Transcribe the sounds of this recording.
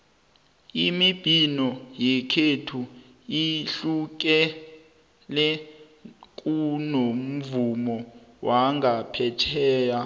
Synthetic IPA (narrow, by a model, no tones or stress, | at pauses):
imib̥ʱinɔjɛkʰetʰu | iɬuk̬ɛ | lɛ | k̬ʼunom̩vumɔwaŋɡapʰɛtʰɛːja